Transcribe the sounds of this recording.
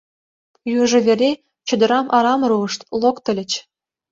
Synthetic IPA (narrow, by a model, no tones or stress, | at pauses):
juʐɘ̆vʲerʲe | t͡ɕɤ̆d̪ɤ̆ɾɑmʔɑɾɑm̆ɾuɤ̆ʂt̪lˠokt̪ɤ̆lʲɘ̆t͡ɕ